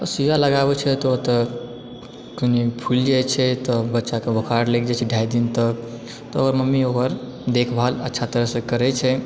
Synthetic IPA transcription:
əsijaləɡabɛt͡ʃʰɛt̪ɔot̪ə | konipʰuld͡ʒajt͡ʃʰɛt̪ɔbətːʃakebʱəkʰaɾlekʰd͡ʒat͡ʃʰɛɖʱaid̪int̪ək̚ | t̪ɔəɡəɾməmːioɡəɾ | d̪ekʰbʱalətːʃʰat̪əɾəɦsẽkəɾɛt͡ʃʰɛ

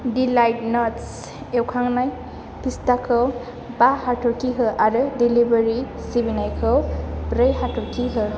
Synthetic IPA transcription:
dilajʈ̚nats | ewkʰaŋnaj | pʰistakʰɯw | bahaʈʰɔɾkiɦɯʔaɾɯdilibəɾi | sibinajkʰɯwɾəjɦaʈʰɔɾkʰiɦɯ

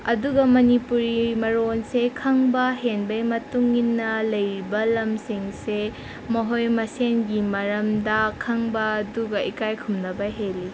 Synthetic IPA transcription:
ɐduɡɐmɐnipuɾimɐɾonsekʰɐŋbɐɦenbɐjmɐtuŋːinːɐlɐjɾibɐlɐmsiŋse | mɐɦojmɐsenɡimɐɾɐmdɐkʰɐŋbɐːduɡɐikajkʰumnɐbɐɦeli

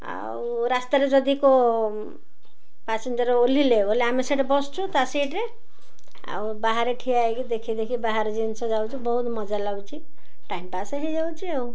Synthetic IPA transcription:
a̰ | wɾast̪aɾed͡zʌd̪iko | pasind̪ɔɾeolileoleameseʈebɔst͡ʃʰut̪aseʈɾe | a̰wbaɦaɾeʈʰijaeɡid̪ekʰid̪ekʰibaɦaɾd͡zinsɔd͡ʒawt͡ʃʰibɔɦut̪mʌd͡ʒalawt͡ʃʰi | ʈaimpaseɦed͡ʒawt͡ʃʰiaw

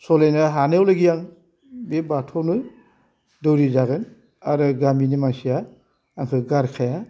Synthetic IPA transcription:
sɔlajnɯɦanewlɯɡijaŋ | bebatʰɔnɯ | dɯwɾizaɡɯn | aɾɯɡaminimaŋsijaː | ŋkʰɯɡaɾkʰaja

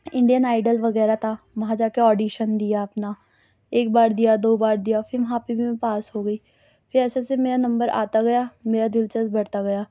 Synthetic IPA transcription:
ɪ̃ɳɖijənaːɪɖəlʋɐɣɛːɾat̪ʰaː | ʋɐɦãd͡ʒaːkeɔːɖiːʃənd̪ijaɐpna | eːk̚baːɾd̪ijad̪oːbaːɾd̪ijafʰɪɾʋɐɦãpebʱiɛ̃paːsɦoːɡɐiː | fʰɪɾɛːsesemeːɾanɐ̃mbəɾa̰ːt̪aɡɐjaːmeːɾad̪ɪlt͡ʃəzbɐɽt̪aɡɐjaː

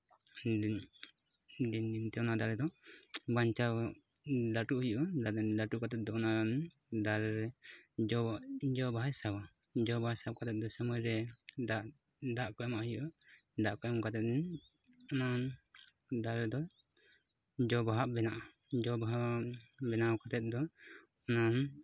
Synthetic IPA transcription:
d̪ind̪int̪ɛɔnad̪aɾɛd̪ɔbaɲt͡ʃaw | d̪aʈuʔhujʔɔdad̪aʈukat̪ɛt̪̚d̪ɔɔnan | d̪alɾɛd͡ʒɔd͡ʒɔbajsaba | d͡ʒɔbasap̚kat̪ɛt̪̚d̪ɔsəmɔjɾɛa | d̪aʔkɔjɔmaʔɦijɔʔɔ | d̪aʔkɔjɔmkat̪ɛt̪̚n | ɔna | d̪alɛd̪ɔ | d͡ʒɔbaɦaʔbɛnaʔa | d͡ʒɔbaabɛnakat̪ɛt̪̚d̪ɔ | ɔnan

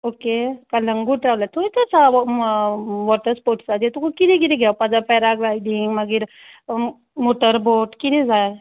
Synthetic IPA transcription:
okekaləŋɡuʈɾawlat̪ʰoɽit̪ɛt͡sa | ʋɔʈəɾspoɾʈsad̪et̪ukukiɾikiɾiɡʱawpad͡zapɛɾaɡlajd̪iŋɡməɡiɾ | moʈəɾboʈkid̪id͡zaj

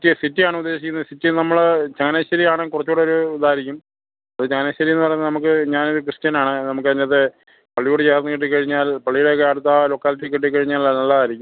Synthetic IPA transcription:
tːɨsitːijaːɳɨud̪ːe̞ːɕikʲːunːɐðɨsitːɨnɐmːɐɭt͡ɕeŋːɐneɕɐɾijaːɳekurɐt͡ɕːoːɽeo̞ɾuːd̪aːɾɐkʲːum | ɐðɨt͡ɕeŋːɐneɕːɐɾijunːɨpɐrɐjuːɐnɐmuk̬ːɨɲaːno̞ɾukrɨstɐnaːɳɨnɐmuk̬ːɨɐɻɲɐɐðe | pɐɭːijuɽɨt͡ɕeːɐrɐnːɨkiʈ̬ːikːɐɻiɲːaːlpɐɭːijuɽekeːɽut̪ːalo̞ːkːaːlit̬ːikːiʈ̬ːikːɐɻiɲːaːllːɐnɐlːɐðaːɾikʲːum

